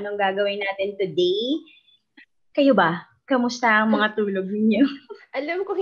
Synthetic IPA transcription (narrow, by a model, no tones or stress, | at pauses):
noŋɡaːɡɐwɪnaːt̪ɪnt̪ʊd̪ej | kɐjobɐ | kɐmʊst̪ɐʔɐŋmɐŋat̪uːlo̞ɡ̚nɪɲoʔɐlɐmko